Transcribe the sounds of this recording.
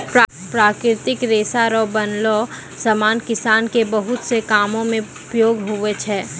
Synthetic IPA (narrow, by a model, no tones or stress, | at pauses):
p | pɾaːkɾɪt̪ɪkɾeːsaɾɔːbɐnlo | sɐmaːnkɪsaːnkebɐɦʊt̪sekaːmõmẽʊpjoːɡɦʊʋet͡ʃʰɛː